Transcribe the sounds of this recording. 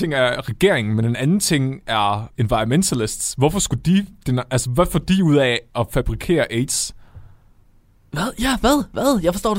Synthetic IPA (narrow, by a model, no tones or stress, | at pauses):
eŋæɐʁɛɡ̥e̝ɐ̰eŋn̩mene̝nænn̩t͡sʰe̝ŋ̰æɐenʋɑ̈ɪɐment͡sʰælesd̥sʋɒfɒ̽sɡ̥ud̥id̥enælsəʋæfɒd̥iuð̰ˠɛɒ̽fæb̥ʁikʰe̝̰ːɐʔeɪd̥s | ʋæðˠjæʋæð̰ˠʋæð̰ˠjɑɪfɒsdɔ̰ːd̥